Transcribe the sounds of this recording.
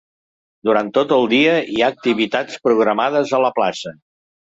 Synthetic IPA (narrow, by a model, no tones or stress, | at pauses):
d̪uɾant̪ːot̪əlˠd̪iəiaːk̚t̪iβit̪at͡spɾuɣ̞ɾəmað̞əzələplasə